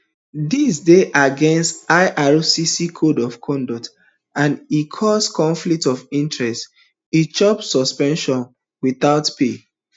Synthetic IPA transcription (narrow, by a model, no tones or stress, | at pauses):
disdeʔaɡɛ̃nstaɪʔaɹusisikʰodɔfkʰɔ̃ndɔt | ãnikʰɔskɔ̃ɱflik̚tɔvĩntɹɛst | it͡ʃɔpsɔspɛ̃nʃɔ̃n | wiθaʊtpe